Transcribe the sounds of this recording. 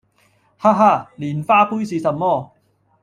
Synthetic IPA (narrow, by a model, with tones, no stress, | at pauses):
haː˥ɦaː˥˩liː˨˩nfaː˥puː˥jsiː˨˧sɐ˨˩nmɔː˥˩˨